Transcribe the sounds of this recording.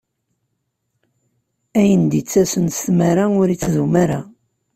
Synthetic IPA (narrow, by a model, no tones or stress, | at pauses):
æjənd̪it͡sːæsənst̪maɾaʊɾit͡sːðumaɾa